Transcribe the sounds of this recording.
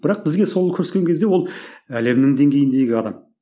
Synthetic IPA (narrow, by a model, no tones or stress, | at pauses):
bɪɾɑq̚bɪzɡʲe̞so̞lˠkʲʰɵɾɪskʲe̞ŋkʲe̞zd̪ewo̞lˠæle̞mnɪŋd̪e̞ŋɡʲe̞jɪnd̪e̞jɡʲɪɑd̪ɑm